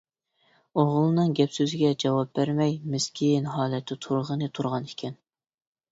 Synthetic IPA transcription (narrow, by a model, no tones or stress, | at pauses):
oʁlˠɨnɨŋɡʲɛpsøzɪɡʲɛd͡ʒɑwɑp̚bæɾmɛjmɪskʲʰinɦɑːlˠɛt̪ʰːɪt̪ʰuɾʁənɨt̪ʰuɾʁɑnikʲʰɛn